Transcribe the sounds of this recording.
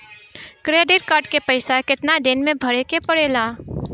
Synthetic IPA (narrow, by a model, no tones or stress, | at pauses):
kɾeːɖɪʈ̚kaːɾɖkepəɪsakɪt̪naɖ̪eːnmẽbʱɐɽekepɐɽeːlaː